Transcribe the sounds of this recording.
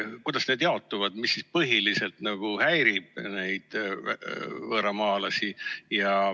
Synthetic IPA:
kujd̪̥ɑsne̞ːd̪̥jɑo̞t̪ːˑuvɑd̪̥misːispɤɦilise̞lt̪nɑɡ̥uhæjɾib̥̚ne̞jd̪̥̰ | vɤːɾɑmɑːlɑsijɑ

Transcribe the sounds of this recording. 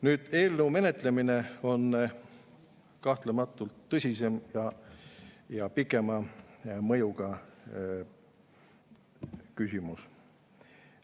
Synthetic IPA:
nyːd̪̥e̞ːlnuwme̞ne̞t̪ˑle̞mine̞o̞n | kɑht̪lemɑt̪ːˑult̪ːɤsʲise̞mjɑ | jɑpikːˑe̞mɑmɤjuɡɑ | kysʲimus

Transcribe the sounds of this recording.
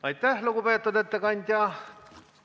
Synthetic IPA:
ɑjt̪ːæhluɡupet̪ːud̪et̪ːekɑnʲd̪ʲjɑ

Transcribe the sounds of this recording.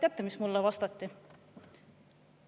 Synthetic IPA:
t̪ʲjæt̪ːˑemismulːɛvɑst̪ɑt̪ˑːi

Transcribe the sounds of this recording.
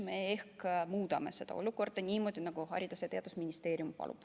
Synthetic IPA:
meehkmuːd̪ɑme̞̰se̞d̪ɑ̰o̞̰luko̞rd̪̥ɑnʲiːmo̞d̪̥ʲinɑɡ̥uhɑ̰ɾʲid̪̥usjɑt̪e̞ɑd̪̥usminʲist̪eːɾiumpɑ̰lṵp

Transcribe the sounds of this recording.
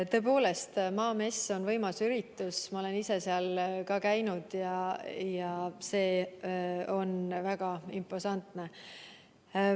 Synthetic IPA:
t̪ɤ̞po̞ːle̞st̪mɑːme̞sːo̞nvɤjmɑsyɾit̪ːˑusmɑo̞le̞nise̞seɑlkɑkæjnud̪̥jɑjɑse̞ː | o̞nvæɡ̥ɑimpːˑosɑnt̪ˑne̞

